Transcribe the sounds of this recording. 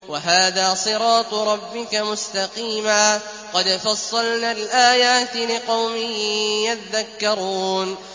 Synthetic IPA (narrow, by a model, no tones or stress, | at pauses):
waɦaːðaːsˤɨɾɑːt̪ˤɾˤɑbːɪkamʊst̪ɑqiːmaː | qɑd̪fɑsˤːɑlnaːlʔaːjaːt̪lɪqɑwmɪjjat̪aðːakːɑɾˤuːn